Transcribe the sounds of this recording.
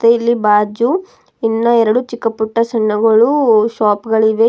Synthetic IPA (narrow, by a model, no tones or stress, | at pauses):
t̪eilːibaːd͡ʒu | inːɐɛɾɐɽut͡ʃikːɐpːuʈːɐsɐɳːɐɡɐɭuʃaːpɡɐɭiʋe